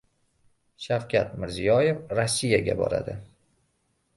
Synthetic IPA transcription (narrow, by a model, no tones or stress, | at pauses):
ʃafkʲat̪mɪɾzijɒjefɾasːijaɡʲa̰bɒ̰ɾa̰d̪ɪ